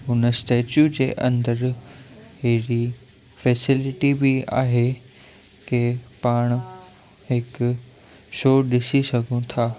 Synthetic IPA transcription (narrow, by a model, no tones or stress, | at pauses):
ɦʊnəsʈeːt͡ɕjud͡ʑḛːʔɐ̰̃nd̪əɾ | ɦeɾi | fɛːsɪlɪʈibia̰ːɦe | kepaːɽ̃ | ɦɪk | ʃoːɗɪsisɐɡʱõt̪ʰaː